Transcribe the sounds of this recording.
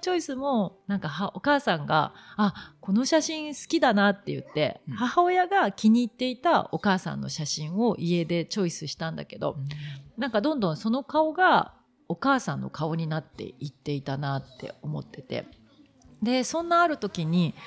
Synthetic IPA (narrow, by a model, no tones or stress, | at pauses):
t͡ɕo̞isɨmo̞nãŋkahao̞kaːsãŋɡa̰ː | ko̞no̞ɕaɕĩɰ̃sɨ̥kʲid̪anat̪ːe̞jɯ̟̰t̪ːe̞̰hahao̞jaɡakʲiɲ̟iːt̪ːe̞it̪ao̞kaːsã̰nːo̞̰ɕaɕĩɰ̃o̞ʔie̞d̪e̞t͡ɕo̞isɨɕi̥t̪ãnd̪a̰ke̞d̪o̞̰nãŋkad̪õ̞nd̪õ̞so̞no̞kao̞ɡa | o̞kaːsãnːo̞̰kao̞ɲ̟inat̪ːe̞̰it̪ːe̞it̪anat̪ːe̞̰o̞mo̞̰t̪ːe̞̥t̪e̞̰ | d̪e̞sõ̞nːaːɾɯ̟t̪o̞kʲiɲ̟i